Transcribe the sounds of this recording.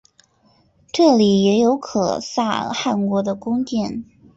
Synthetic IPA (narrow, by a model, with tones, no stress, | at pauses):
ʈ͡ʂɤ˥˩li˨˩jɛ˧˥jo˧˥ʊkʰɤ̰˨˩sa̰˥˩xa˥˩nkwɔ˧˥d̪ə˧kʊ˥ŋtjɛ˥˩n